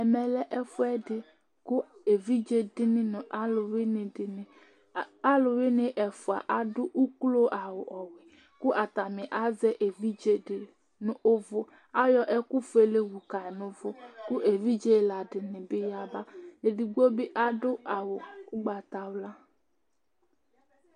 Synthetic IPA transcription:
ɛ˨mɛ˨lɛ˦ʔɛ˦fʊ˦ɛ˦dɪ˨ | kʊ˦e˨vi˦d͡ʒe˦dɪ˦nɪ̃˦nʊ̃˨ʔa˦lʊ˨wɪ˦nɪ˨dɪ˨nɪ̃˨ | a˦lʊ˨wɪ˦nɪ˨ʔɛ˨fʊ˨a̰˨ʔa˨dʊ˦ʔu˦klo˦ʔa˨wʊ˨ʔɔ˨wɪ˨ | kʊ˦ʔa˨t̪a˨mɪ˨ʔa˦zɛ˦ʔe˨vi˦d͡ʒe˦dɪ˨ | nʊ˦ʔʊ˦vʊ˦ | a˦jɔ˦ʔɛ˦kʊ˦fʊ˨˦e˨le˦wu˨ka˨ɪ˨nʊ̃˦vʊ˦kʊ˦ʔe˨vi˦d͡ʒe˦˨la˨dɪ˨nɪ˨bɪ˦ja˦ba˦e˨dɪ˨ɡo˦bɪ˦ʔa˦dʊ˦ʔa˨wʊ˨ʊ˦ɡ͡ba˨t̪a˨wla˦

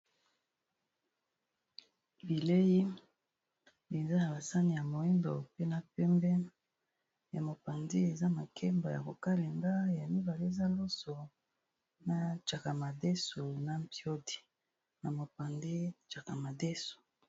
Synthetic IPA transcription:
bi˨le˦ji˦ | e˨za˦na˨ba˨sa˦ni˨ja˨mo˨i˦mbo˨pe˦na˨pɛ˦mbɛ˦ | ja˨mo˨pa˨ndi˦e˨za˦ma˨kʰɛ˦mba˨ja̰˨ko˨ka˦le˨ŋɡa˦ja˨mi˦ba˨le˦e˦˨za˦lo˦so˨ | na˨t͡ʃa˨ka˨ma˨dɛ˦so˨na˨mpjo˦di̥˨ | na˨mo˨pa˨nde˦t͡ʃa˨ka˨ma˨dɛ˦so̥˨

